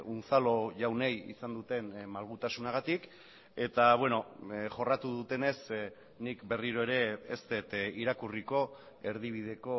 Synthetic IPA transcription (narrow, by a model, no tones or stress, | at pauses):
unt͡salo̞ʝawnejḭsand̪ut̪e̞nmalɣut̪asunaɣ̞at̪ik | e̞t̪aβ̞we̞noʝo̞rat̪uðut̪e̞ne̞s | nikbe̞riɾoe̞ɾe̞ːst̪e̞t̪iɾakuriko̞ | e̞ɾð̞iβ̞iðe̞ko̞